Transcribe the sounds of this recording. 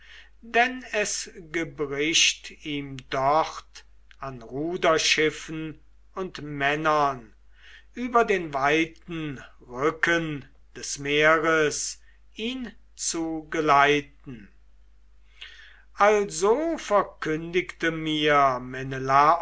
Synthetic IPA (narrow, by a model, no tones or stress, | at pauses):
dɛnɛsɡəbʁɪʃtiːmdɔχt | anʁuːdɐʃɪfn̩ | ʊntmɛnɐn | yːbɐdeːnvaɪtn̩ | ʁʏkən | d̥ɛsmeːɐʁəs | ʔiːn | t͡suɡəlaɪtn̩ | ʔalzoːfɛɐkʰʏndɪktəmiɐmɛnəla